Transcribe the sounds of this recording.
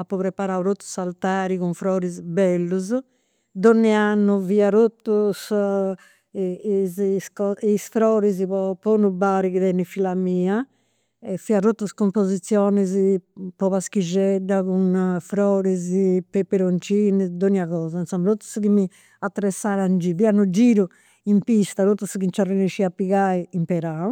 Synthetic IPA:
apːɔpɾɛpaɾawɾot̪ːu̥salt̪aːɾikuɱfɾɔːɾizbɛlːuz | d̪onːɛanːuviːaɾot̪ːus | izskɔisfɾɔːɾiz̬ipɔponubaɾikiðɛnːifilamiːa | ɛfiaɾot̪ːuskompozit̪sːjɔːnɛzipɔβaskid͡ʒɛɖːakunfɾɔːɾizpɛpːɛɾont͡ʃiːnid̪oniaɣɔːzainsɔmɾot̪ːu̥skimi | at̪ːɾɛsːaːɾand͡ʒiβianud͡ʒiːɾu | impist̪aɾot̪ːuskint͡ʃariniʃiapːiɣaːiimpɛɾau

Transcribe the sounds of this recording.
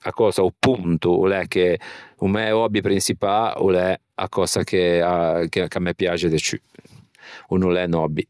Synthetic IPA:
akɔːsaupunt̪uṵlɛkːeumɛɔbipɾinsipaṵlɛ | a̰kɔːsakeakekamːɛpjat͡ʃed̪et͡ʃy̰ | unulɛnɔbi

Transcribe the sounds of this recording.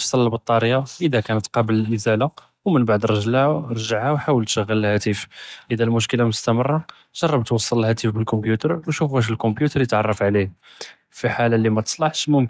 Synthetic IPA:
sˤɑləːbət̪ˤːɑɾjaʔəd̪ækænət̪qɑbəlʔəzæla | wmənbaʕd̪ɾˤɑʒlhɾˤʒaʕhæwħawəlt̪ʃəɣːæləlhæt̪ifʔəd̪ælmʊʃkəlamʊst̪æmərˤːɑ | ʒ̥ɑrˤːɑbt̪wɑsˤːɑləlhæt̪ifbəlkɔmbjut̪əɾˤwʃufæʃ̬əlkɔ̃mbjut̪əɾiət̪ʕɑrˤːɑfʕlih | fiħalalːimæt̪ə̥sˤlɑħʃmʊmk

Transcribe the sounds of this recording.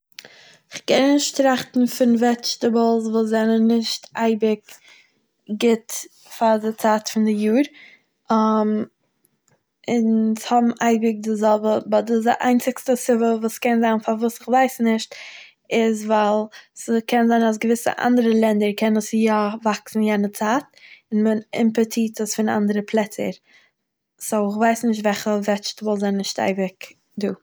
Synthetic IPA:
ɪχkɛnnɪʃtɾaχtn̩fɪnvɛt͡ʃtəblˠsvuːszɛnənːɪʃtʔaɪbɪk | ɡɪt | fadɪt͡saːtfɪndɪjuːɾ | am | ɪnshɔbm̩ʔaɪbɪk̚dɪzɔlˠbəbɔdʊs̬dɪ̰ʔa̰ɪnt͡sɪkstəsɪvəvuːskɛnzaɪnfavuːsɪχvaɪsnɪʃt | ɪzvaɪlˠskʰɛnzaɪnas̬ɡəvɪsə̰ʔa̰ndəɾəlˠɛndəɾkʰɛnəsjavaksn̩jɛnət͡saːt̚ɪnmənɪ̰mpətʰiːtəsfɪna̰ndəɾəpʰlˠɛt͡sə̰ɾ | soʊɪχvaɪsnɪʃtvɛχəvɛt͡ʃtvɔlˠzaɪnɪʃta̰ɪbɪk | duː

